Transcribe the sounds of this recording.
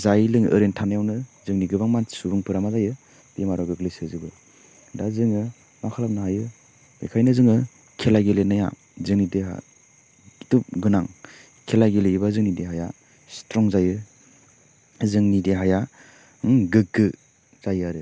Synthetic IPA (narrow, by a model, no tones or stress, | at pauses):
zajlɯŋɯ̰ɾentʰanajawnɯzɯŋniɡɯbaŋmansubɯŋpʰɯɾamazajɯ | b̥emaɾɔɡɯklisɯzɯbɯ | dazɯŋɯ | makʰalapnaɦajɯ | ekʰajnɯzɯŋɯ | kʰelaɡelenaja̰ | zɯŋnideɦa̰ | itup̚ɡɯnaŋ | kʰelaɡeleibazɯŋnideɦaja | stɾɔŋzajɯ | zɯŋnideɦaja | ɡɯk̚ːɯ | z̥ajaɾɯ